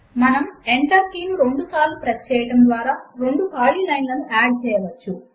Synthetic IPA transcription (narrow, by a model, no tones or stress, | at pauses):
mɐnɐmeɳʈɐɾkiːnuɾe̞ɳɖusaːlːupɾɐt̪t͡ʃɛːjɐʈɐmd̪ʋaːɾaːɾe̞ɳɖupaːliːlɐjnlɐnuʔaːɖ̚t͡ʃɛːjɐʋɐt͡ʃːu